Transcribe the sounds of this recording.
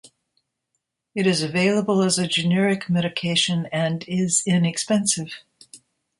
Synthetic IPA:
ɨɾɨzɨveɪlˠəbəl̩ˠəzɨd͡ʒɨnɛɹɨkmɛɾɨkʰeɪʃɨ̃nɨ̃nɪzɪ̃nɨkspɛ̃nsɨv̥

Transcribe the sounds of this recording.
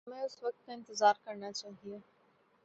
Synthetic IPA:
mẽʊsʋɐk̚t̪ɪ̃nt̪ɪzaːɾkɐɾnat͡ɕaːɦijũː

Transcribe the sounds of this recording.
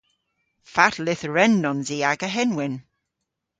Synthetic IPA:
fatʰlɪθɹɛnːɔnziːaɡəɦɛnwɪn

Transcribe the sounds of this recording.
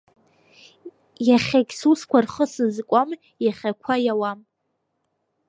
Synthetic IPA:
jaχʲakʲʼsuskʷʰarχəsɨzkʷʼam | jaχʲakʷʰajawam

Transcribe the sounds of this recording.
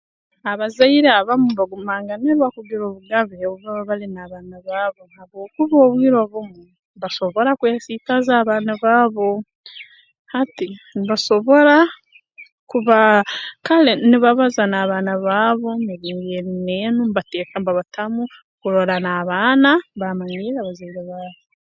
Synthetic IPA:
aβazaiɾeaβamumβaɡumaːŋɡaneɾwakuɡiɾoβuɡaβeouβaβaβalinaːβaːnaβaːβo̞nhaβoːkuβoːβwiːɾo̞βumu | mbaʃo̞βo̞ɾakujasiːkazaːβaːnaβaːβo̞ | hatinβaʃo̞βo̞ɾa | kuβakaleniβaβazanaːβaːnaβaːβo̞niβiŋɡenenumbateːkambaβatʰamu | kuɾoɾanaːβaːnabamaɲiɾaβazeɾeβaːβi

